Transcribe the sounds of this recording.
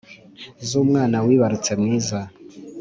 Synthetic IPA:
zumŋaːnawiːβaɾut͡semŋiːza

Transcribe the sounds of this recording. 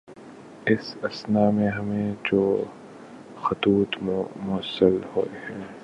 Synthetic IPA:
ɪsɐsnaːmẽɦɐmẽd͡ʒoː | xɐt̪uːt̪mʊsəlho̰ːhɛː

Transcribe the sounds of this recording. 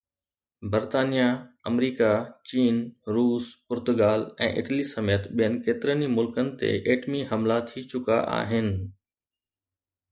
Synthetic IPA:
bɐɾt̪aːnijaɐmɾiːkat͡ɕiːnɾuːspʊɾt̪ʊɡaːlɛ̰̃ːʔɪ̰ʈlisɐmeːt̪ɓijənɪ̆keːt̪ɪɾənimʊlkənɪ̆t̪ḛʔeːʈmiɦɐmlat̪ʰit͡ɕʊka̰ʔa̰ːɦɪnɪ̆

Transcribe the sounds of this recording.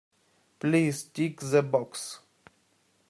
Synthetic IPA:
plistikzəbɔks

